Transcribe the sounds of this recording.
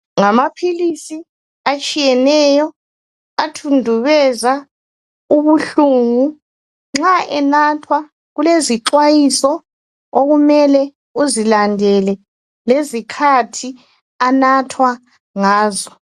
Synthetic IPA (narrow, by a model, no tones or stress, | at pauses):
ŋamapʰilisi | at͡ʃʼijɛnɛjɔ | atʰundʱuβɛza | uβuɬuŋu | ŋ͡ǁaʔɛnatʰwa | ɣuleziǁwajisɔ | oɣumɛlɛ | uzilandʱɛlɛ | lezikʰatʰi | anatʰwa | ŋaːzɔ